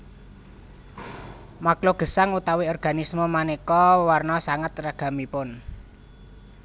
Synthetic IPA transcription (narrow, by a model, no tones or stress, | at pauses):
makloɡ̥ə̤saŋut̪aweɔrɡ̥a̤nismomanekɔwarnɔsaŋat̪raɡ̥a̤mipʊn